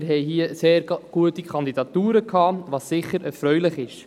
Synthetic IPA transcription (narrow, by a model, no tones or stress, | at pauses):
ɾɦɛjɦiːəseːɾɡ̥uətikʰχɑnd̪idɑt̪uːɾəkʰɑːʋɑːsːɪχəɾʔɛɾfɾœɥlɪχɪʃ